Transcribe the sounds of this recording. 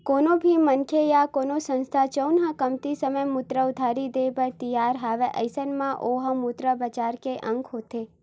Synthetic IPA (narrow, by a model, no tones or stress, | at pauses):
konobʱimənkʰejakonosə̃nst̪ʰat͡ʃəwnɦə̃kəmt̪isəməjmut̪ɾəʊd̪ʱaɾid̪ebət̪ijaɾɦaʋeʔə̰jsənmãʔoɦəmut̪ɾəbət͡ʃaɾkeʔə̃ŋkɦot̪ʰe